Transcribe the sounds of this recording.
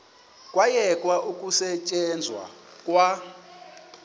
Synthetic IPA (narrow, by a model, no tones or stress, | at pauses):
kʼwajɛkʼwaʔukʼusɛt͡ʃʼɛnd͡zʱwa̰kʼwa